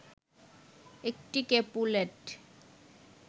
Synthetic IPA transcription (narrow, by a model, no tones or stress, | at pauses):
ek̚ʈikepuleʈ